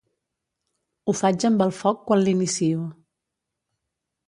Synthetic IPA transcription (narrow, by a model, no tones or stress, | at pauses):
ufad͡ʒəmbəlˠfɔkːwanlinisiu